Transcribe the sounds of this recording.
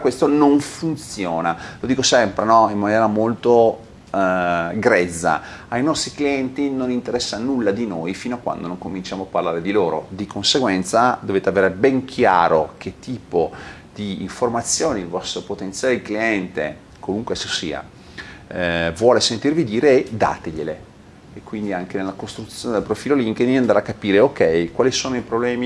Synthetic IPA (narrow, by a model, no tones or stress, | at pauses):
kwest̪onoɱfunt̪sjoːnalod̪iːkosɛmpɾenɔimːanjɛːɾamolt̪o | ɡɾɛd̪zːa̰ajnɔst̪ɾikliɛnt̪inonint̪eɾɛsːanulːad̪inojfiːnoakwa̰nd̪onõŋkomint͡ʃaːmoapːarlaːɾed̪iloːɾo̰d̪ikʰonseɡwɛnt̪sad̪oveːt̪eaveːɾebɛŋkʰja̰ːɾok̟et̪ːiːpo | d̪̥iḭɱformat̪sːjoːniilvɔst̪ɾopot̪ent̪sjaːleikliɛnt̪ḛ | kwoluŋkwesisḭːa̰ | vwɔːlesent̪irvid̪iːɾed̪a̰ːt̪eʎele | ekːwind̪iaŋkenelːakost̪ɾut̪sjoːned̪elpɾofiːloliŋkd̪inand̪ɾaakːapiːɾeokːɛjkwaːlisoːnoipɾoblɛːmi